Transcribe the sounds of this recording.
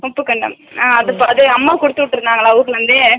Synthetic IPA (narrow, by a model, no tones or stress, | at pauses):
mɐpːɯkɐɳɖɐ̰maːɐðɐpːaɐðɯɐmːaːkɔɽɯt̪ːɯʋʈːɯɾɯnd̪aːŋɡɐɭãːɐʋʊɡɐɭʋɐnd̪ɯ